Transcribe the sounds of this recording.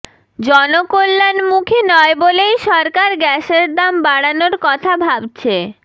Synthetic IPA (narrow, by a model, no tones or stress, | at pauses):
d͡ʑɔnokolːanmukʰenɔebolejʃɔɾkaɾɡɛʃeɾd̪ambaɽanoɾkɔt̪ʰabʱabt͡ɕʰe